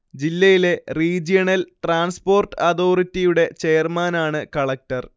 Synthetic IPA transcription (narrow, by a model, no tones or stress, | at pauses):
d͡ʑilːɐjile̞riːd͡ʑijɐnɐlʈraːnspo̞ːrʈɨɐt̪o̞ːritːijuɽe̞t͡ɕejɐrmaːnaːɳɨkɐɭɐk̚tɐr